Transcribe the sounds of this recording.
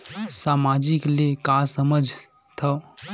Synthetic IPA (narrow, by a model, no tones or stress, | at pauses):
samad͡ʒiklekasəməd͡ʒʱ | t̪ʰə